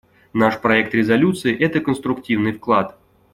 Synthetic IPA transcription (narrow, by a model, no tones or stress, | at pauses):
naʂpɾɐɛk̚t̪ɾʲɪzɐlʲut̪sɨɪʔɛt̪əkənst̪ɾʊktʲivnɨjfklˠat̪